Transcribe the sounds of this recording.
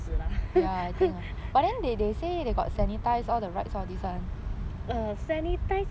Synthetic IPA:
səlajatĩŋabaʔ̚dɛ̃ndedesedeɡɔ̰t̚sɛnitaɪsɔldəɹaɪtsɔfdisãnəsɛnit̪aɪs

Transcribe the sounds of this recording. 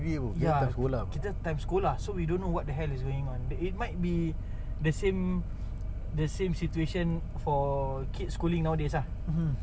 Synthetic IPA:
biebəkjaãskolakit̪ətãj̃mskolasowidõnːowɔt̚dəɦɛlisɡoɪ̃ŋɔ̃nit̚maɪt̚bi | dəsẽm | dəsẽmsitueʃə̃n | fɔ | kʰitskulĩŋnawdesa

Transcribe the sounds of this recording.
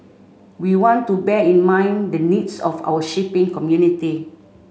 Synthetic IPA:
wiwɔ̃ntubɛĩnmãɪ̃ndənidsɔ̰fa̰wəʃipɪ̃ŋkɔmjuniti

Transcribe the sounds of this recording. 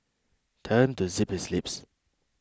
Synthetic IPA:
tʰɜ̃ntuziphislɪps

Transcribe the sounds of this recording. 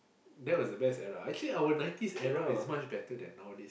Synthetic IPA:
dɛt̚wɔsdəbɛstɛɹaak̚t͡ʃəliawənãj̃ntisɛɹaɪsmat͡ʃbɛtədɛ̰̃nːɔdis

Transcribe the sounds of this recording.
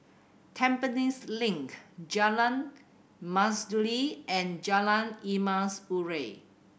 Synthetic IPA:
tʰɛ̃mpənislĩŋkd͡ʒalãn | masduliʔɛ̃nd͡ʒalãnimaspuɹe

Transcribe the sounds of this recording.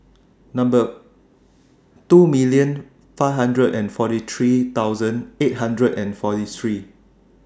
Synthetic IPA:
nãmbə | tumilijə̃n | faɪfhãndɹədɛ̃nfɔtit̪ʰɹit̪awzə̃net̚ɦãndɹədɛ̃nfɔtit̪ʰɹi

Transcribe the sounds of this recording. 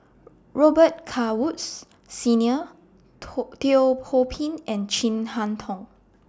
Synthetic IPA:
ɹɔbət̚kʰawuts | sĩniə | teopʰopʰĩnɛ̃nt͡ʃĩnhãntʰɔ̃ŋ

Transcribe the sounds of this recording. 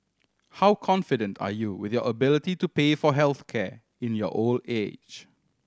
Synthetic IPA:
hawkʰɔ̃nfɪdə̃ntʰa̰juwɪθjɔʔəbɪlɪtitupefɔɦɛlθkʰɛ | ɪ̃njɔ̰ʔoldḛd͡ʒ

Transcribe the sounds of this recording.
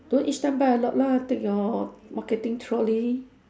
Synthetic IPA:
d̥ɔ̃nʔist̪ãnbaəlɔʔ̚lat̪ɛk̚ɔmaket̪ĩŋt̪ʰɹɔli

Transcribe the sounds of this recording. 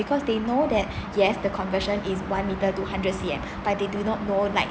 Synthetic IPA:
bikʰɔsdenodɛt̚jɛsdəkʰɔ̃nvəʃə̃nʔiswãnmitətuhãndɹət̚siɛ̰̃m | b̥at̚dedunɔt̚nolaɪk̚

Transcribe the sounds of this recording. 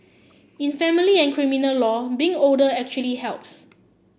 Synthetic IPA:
ĩnfɛ̃miliɛ̃nkʰɹiminəlːɔbĩŋoldəɛk̚t͡ʃuəlihɛlps

